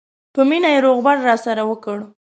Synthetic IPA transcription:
pəminajeɾoɣbaɾːɑsaɾawəkəɽ

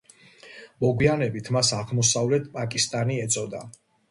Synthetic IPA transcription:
mɔɡwianɛbit̪ʰmasaʁmɔsavlɛt̪ʰpʼakʼist̪ʼaniɛt̪sʼɔd̪a

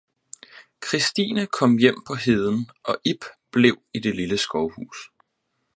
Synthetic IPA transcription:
kʰʁisd̥ḭːnəkʰɒ̽m̰jem̰pʰɒ̽ɦeð̞ˠn̩ʔɒ̽ʔib̥b̥le̝ʊ̰id̥e̝liləsɡ̥ɒʊhṵːs

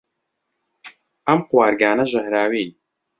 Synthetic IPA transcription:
ʔɐmqwaːɾɡaːnɐʒɐhɾaːwiːn

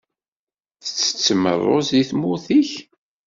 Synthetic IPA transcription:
θə̥t͡sːə̥t͡sːəmə̰rˤːo̰ziθmuθiç

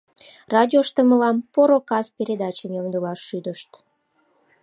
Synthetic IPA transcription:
rɑd̪ʲioʃt̪əməlɑmpoɾokɑspeɾʲed̪ɑt͡ɕəmjomd̪əlɑʃːyd̪əʃt̪

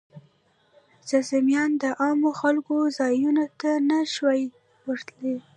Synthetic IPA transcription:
z̥azamjɑnd̪əʔɑmoxalkozɑjunot̪anaʃwɑj | wəɾt̪le

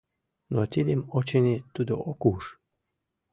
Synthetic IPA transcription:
not̪ʲed̪emot͡ɕenet̪ud̪oʔokuʃ

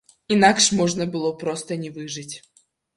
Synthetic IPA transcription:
inakʂmɔʐnəbɨlˠɔpɾɔst̪ənʲɪvɨʐɨtʲ

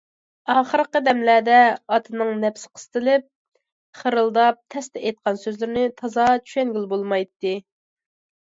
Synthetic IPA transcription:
ɑːχəɾqəd̪ɛmlæd̪ɛɑt̪ʰɨnɨŋnɛpsɪ̥qʰə̥st̪ɨlɪp̚ | χəɾɨlˠd̪ɑp̚t̪ʰɛst̪ɛet̪̚qɑnsøzlɪɾnɪt̪ʰɑzɑt͡ʃʰy̥ʃɛnɡʲilˠbolˠmɑjt̪ːɨ

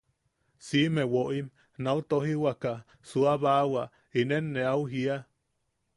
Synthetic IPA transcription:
simewoʔim | naut̪oɦiwaka | suaβawa | inenːeauɦia

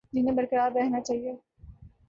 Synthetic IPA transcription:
d͡ʒinẽbɐɾkəɾaːdɾɛɦnat͡ʃaːɦie

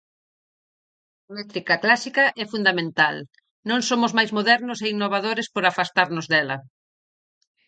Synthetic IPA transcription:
mɛt̪ɾikɐklasikɐʔɛfund̪amẽnt̪al | nõŋsomʊzmajzmoðɛɾnʊseinːoβ̞aðoɾespoɾafast̪aɾnʊzðɛlɐ

